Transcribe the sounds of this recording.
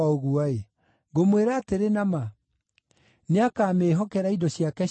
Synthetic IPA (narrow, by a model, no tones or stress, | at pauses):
aoɣuae | ɡomweɾaːteɾenama | neakaːmeːɦɔkɛɾaidɔɕiakɛ